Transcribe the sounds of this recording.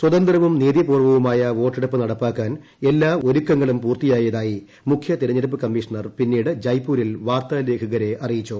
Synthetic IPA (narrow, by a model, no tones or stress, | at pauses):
swɐðɐnd̪rɐʋumniːðjɐpuːrʋɐʋumaːjɐʋo̞ːʈːeɽupːɨnɐɽɐpːaːkːaːn | e̞lːaːo̞ɾukːɐŋːɐɭumpuːrt̪ijaːjɐðaːji | mukʰjɐt̪iɾɐɲːɐɾup̬ːɨkɐmːiːʂɐɳɐrpinːiːɽɨd͡ʑɐjpːuːɾilʋaːrt̪aːle̞ːkʰɐɣɐɾe̞ʔɐrijit͡ɕːoː